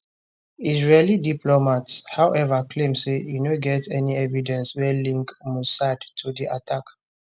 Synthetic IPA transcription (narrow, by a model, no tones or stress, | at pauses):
izɹelidiplɔmatshawʔɛvakʰlẽmsejunoɡɛtɛniɛvidɛ̃nswɛlĩŋkmusadtʰudiʔa̰tʰak